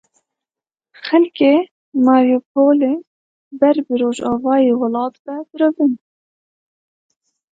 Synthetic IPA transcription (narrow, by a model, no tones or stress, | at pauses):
xɛlkeː | mɑːɾjupʰoːle | bɛɾbɨɾoːʒɑːvɑːjeːwɔlɑːt̪vɛbɨɾovɨn